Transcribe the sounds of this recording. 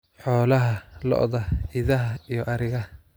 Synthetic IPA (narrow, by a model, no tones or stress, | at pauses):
ħɔːlɐɦɐlɔ̰ʔðɐɪðɐɦɐijɔʔɐɾɪɣɐ